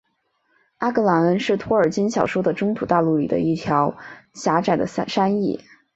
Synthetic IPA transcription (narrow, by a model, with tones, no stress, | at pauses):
a˥kə˧˥la˧˥nə˧˥nʂɻ̩˥˩t̪ʰwɔ˥ə˞˨˩t͡ɕi˥nɕjɑ˨˩ʊʂwo˥ʊd̪ə˨ʈ͡ʂʊ˥ŋt̪ʰu˨˩t̪a˥˧lu˥˩li˨˩d̪ə̰˦i˥˩t̪ʰjɑ˧˥ʊɕja˧˥ʈ͡ʂa˥˩ɪd̪ə̰˦˩˥ʂa˥ni˥˩